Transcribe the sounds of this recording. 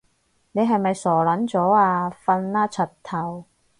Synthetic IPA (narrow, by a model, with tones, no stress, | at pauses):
ne˨˧jɦɐ˨jmɐ˨jsɔː˨˩lɐ˨˥nt͡sɔː˨˥aː˧fɐ˧nːaː˥t͡sʰɐ˨˩tt̪ʰːɐ˨˩w